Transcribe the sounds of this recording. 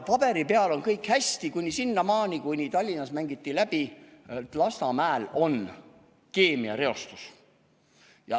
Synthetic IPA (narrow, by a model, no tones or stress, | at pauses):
pɑb̥e̞ɾipe̞ɑlo̞nkɤjkhæsʲt̪ikunʲːisinːɑmɑːnʲikujnʲit̪ɑlʲːinɑsmæŋɡit̪ːilæb̥it̪lɑst̪ɑmæːlo̞n | ke̞ːmiɑ̰ɾe̞o̞st̪u̥s | jɑ